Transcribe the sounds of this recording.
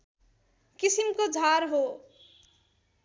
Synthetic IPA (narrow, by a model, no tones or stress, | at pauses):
kisimkod͡zʱaɾɦo